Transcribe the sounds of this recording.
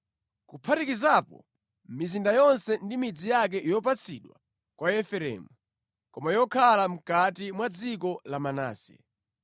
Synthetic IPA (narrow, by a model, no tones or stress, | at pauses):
kupʰatikizapɔ̰ | mizindajɔnsɛndimid͡zijak̬ɛʔjɔp̬at͡sʰiɗwa̰ | kwaɛfɛɾɛ̰mu | kɔmajɔkʰalam̩katimwad͡zikɔlamana̰ːsɛ̰